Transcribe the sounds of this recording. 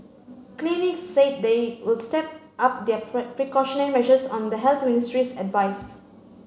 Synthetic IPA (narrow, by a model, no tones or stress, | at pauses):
klinɪksːet̚dewɪlstɛp̚ | ʔap̚d̪ɛpɹikɔʃɔnəɹimɛʒəsɔ̃nd̪əɦɛlt̪ʰministɹisɛdvaɪs